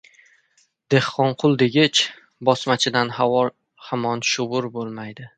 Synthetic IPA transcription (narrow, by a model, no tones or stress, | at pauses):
d̪̥e̞hqɒnqʰʊlˠd̪eɡʲɪt͡ʃ | bɒsmat͡ʃʰɪd̪anhawɒ | hamɒnʃʊʁʊɾbolˠmajd̪ɪ